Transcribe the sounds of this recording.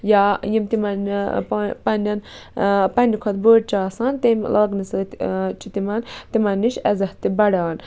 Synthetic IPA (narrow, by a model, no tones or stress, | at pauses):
jajimt̪imɐn | pɐnɐnpɐnʲikʰɐt̪boːʈ̚t͡ʃaːsaːnt̪emlʔaːɡnist͡ʃʰit̪imɐnt̪imɐnʲːiʃɐzɐht̪ibɐɽaːn